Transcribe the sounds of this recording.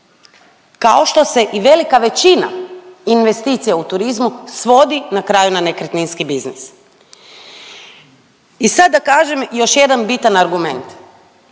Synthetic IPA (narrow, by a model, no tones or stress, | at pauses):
kao̞ʃt̪o̞se̞ʔiʋe̞likaʋe̞t͡ɕina̰inʋe̞st̪iːt̪sijaut̪uɾizmusʋo̞d̪inakɾaːjunanekɾt̪ninskibiznis | isad̪̚ːakaːʒe̞mjo̞ʃje̞d̪anbit̪anaɾɡume̞nt̪